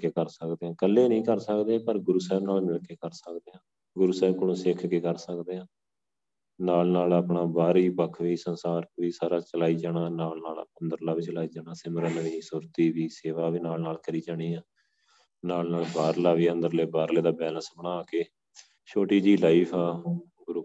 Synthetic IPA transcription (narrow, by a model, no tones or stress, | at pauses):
keːkəɾsəkd̪eːãːkəleːnəĩːkəɾsəkd̪eːpəɾɡʊɾuːsɛːbnaːlmɪlkeːkəɾsəkd̪eːãː | ɡʊɾuːsɛːbkəɽõːsɪkʰkeːkəɾsəkd̪eːãː | naːlnaːlaːpɳaːbaːɾiːpəkʰʋiːsənsaːɾʋiːsaːɾaːt͡ʃəlaːiːd͡ʒaːɽaːnaːlnaːlənd̪əɾlaːbɪt͡ʃlaːiːd͡ʒaːnaːsɪməɾənʋiːsʊɾt̪iːʋiːseːʋaːʋiːnaːlnaːlkəɾiːd͡ʒaːɽ̃iːaː | naːlnaːlbaːɾlaːʋiːə̃nd̪əɾleːbaːɾleːd̪aːbɛːlənsbənaːkeː | ʃoːʈiːd͡ʒiːlaːiːpʰaː | ɡʊɾuː